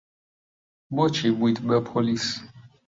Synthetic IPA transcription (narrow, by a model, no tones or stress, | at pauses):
mɔt͡ʃʰibwit̪ʰbɛpʰɔlis